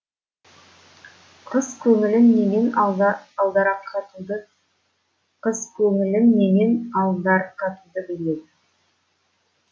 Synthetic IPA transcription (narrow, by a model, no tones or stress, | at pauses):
qʰəskʲʰɵŋɪlɪnːenenɑlˠd̪ɑɾɑqʰɑt̪ud̪ə | qʰəzkʲʰɵŋɪlɪnːe̞ne̞nɑlˠd̪ɑɾqʰɑt̪ud̪əbɪle̞d̪ɪ